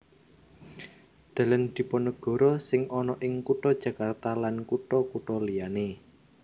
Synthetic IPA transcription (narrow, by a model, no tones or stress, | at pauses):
d̪̥ä̤lənd̪̥i̤pɔnəɡ̥ɔ̤ɾɔsɪŋɔnɔʔɪŋkuʈɔd̥ʒ̥ä̤kart̪alankuʈɔkuʈɔlijane